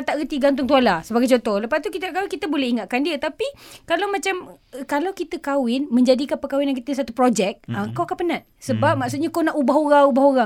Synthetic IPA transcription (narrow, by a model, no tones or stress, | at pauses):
t̪aʔɣət̪iɡant̪̬ʊŋt̪̬ualasəbaɡajt͡ʃot̪ɔhləpast̪ukit̪ənaʔkawɪnkit̪əbolɛhiŋat̪̚kandiət̪apikalawmãt͡ʃam | kalawkit̪əkawɪnmə̃ɲd͡ʒadikapəkawɪnjaŋkit̪əsat̪upɾod͡ʒɛk̚əŋkawakanpənãt̪̚səbap̚maksut̪̚ɲakawnaʔubaɦoɣaŋubaɦoɣa